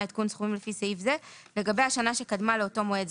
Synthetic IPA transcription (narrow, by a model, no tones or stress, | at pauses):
it̪̚kunsχumimlefiseifzele̞ɡabe̞jaʃanaʃe̞kadmaleoto̞moe